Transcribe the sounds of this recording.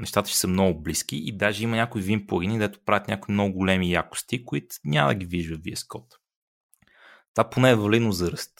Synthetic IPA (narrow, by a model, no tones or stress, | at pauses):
nɛʃt̪at̪ə̥ʃɛsəmnɔɡʊblisk̟ʲiʔid̪aʒɛimɐnʲakʊivimpoəɡʲiniɡd̪ɛt̪ʊ̥pɾavɛt̪nʲakoimnɔɡʊɡʊlɛmijakʊ̥st̪ikoit̪ʊ̥nʲamə̰d̪ɐɡ̟iviʒvəviɛskɔt̪ | t̪vaponɛːvɐlid̪nozəɾəst̪